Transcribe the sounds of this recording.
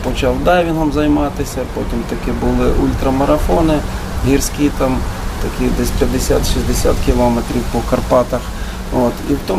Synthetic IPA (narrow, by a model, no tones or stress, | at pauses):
pɔt͡ʃɑwd̪ɑjʋʲiɦ̪ɔmzɐjmɑt̪ɪsʲɐpotʲimt̪ɐkɪbʊlˠɪʔulʲt̪ɾɐmɐɾɐfɔnɪ | ɦʲirsʲkʲit̪ɑmt̪ɐkʲid̪ɛsʲpʲjɐd̪ːesʲa̰t̪ʃizʲd̪esʲa̰t̪kʲilˠɔmet̪ɾʲiwpɔkɐrpɑt̪ɐx | ot̪iwt̪ɔ